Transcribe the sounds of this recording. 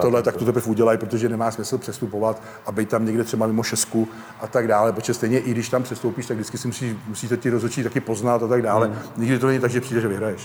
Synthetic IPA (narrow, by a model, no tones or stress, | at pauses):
t̪odlɛt̪akt̪ot̪ɛpr̩fuɟɛlajpɾot̪oʒɛnɛmaːsmɪsl̩pr̥ɛst̪upo̞vat̪ | ʔabɛjt̪t̪amɲɛɡdɛt̪r̥ɛbamɪmo̞ʃɛsku | ʔat̪aɡdaːlɛpɾot͡ʃɛst̪ɛjɲɛʔɪɡdɪʃt̪ampr̥ɛst̪owpiːʃt̪aɡdɪt͡skɪsɪmusiːʃmusiːt̪ɛt̪ɪɾozɦot͡ʃit̪akɪpo̞znat̪at̪aɡdaːlɛɲɪɡdɪt̪onɛɲɪt̪aɡʒɛpr̥iːdɛʒɛvɪɦɾajɛʃ